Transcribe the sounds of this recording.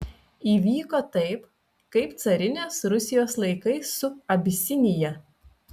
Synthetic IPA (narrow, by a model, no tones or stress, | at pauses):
iːʋʲiːkoːt̪ɐɪp | kɐɪpt̪sɐɾʲɪnʲoːsɾʊsʲɪjoːslˠɐɪkɐɪsːʊɐbʲɪsʲɪnʲɪjɛ